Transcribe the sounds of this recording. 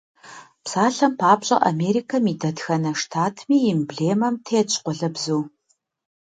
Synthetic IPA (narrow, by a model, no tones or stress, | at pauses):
psaːɬɐmpʰaːbɕʼɐ̰ʔa̰meːɾiːkʰɐmidɐtxɐnɐʂtʰaːtʰmiːɪmbɮeːmɐmtʰeːt͡ʃʰʼqʷʊɮɐbzuː